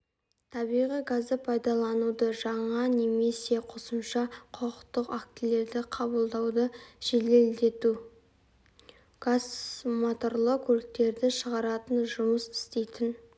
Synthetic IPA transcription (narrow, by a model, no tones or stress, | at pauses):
t̪ʰɑbijʁijɡazəpʰɑjd̪ɑlˠɑnud̪əʒɑɴɑne̞me̞se̞qʰosəmʃɑqʰoqəqt̪əqak̚t̪ile̞ɾd̪ɪqʰɑbəlˠd̪ɑwd̪əʒ̥e̞le̞ld̪e̞t̪u | ɡ̥azmot̪o̞rlˠəkʲʰɵɾɪk̚t̪e̞ɾd̪ɪʃəʁɑɾɑt̪ənʒʊməsɪ̥st̪e̞jt̪ɪn